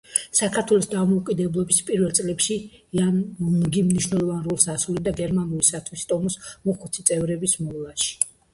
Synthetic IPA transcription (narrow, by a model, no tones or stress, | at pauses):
sakʰaɾt̪ʰwɛlˠɔsd̪amɔukʼid̪ɛblˠɔbispʼiɾvɛlˠt̪sʼlɛpʃiːannɡimniʃwnɛlˠɔvanɾulˠsasulid̪aɡɛɾmanulisat̪ʰwist̪ʼɔmɔsmɔχut̪sʰit̪sʼɛvɾɛbismɔlˠaʃi̥